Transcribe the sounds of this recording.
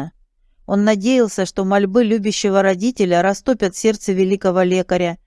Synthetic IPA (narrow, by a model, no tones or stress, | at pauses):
o̞nːɐdʲejɪlˠsʲəʂt̪o̞mɐlʲbɨlʲubʲɪɕːɪvəɾɐdʲitʲɪlʲəɾɐst̪opʲət̪fʲsʲe̞rt̪səvʲɪlʲikəvəlʲekəɾʲə